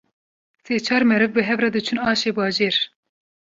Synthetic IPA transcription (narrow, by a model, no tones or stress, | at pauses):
seːt͡ʃʰɑːɾmɛɾɨvbɨɦɛvrɑd̪ɨt͡ʃʰunɑːʃeːbɑːʒeːɾ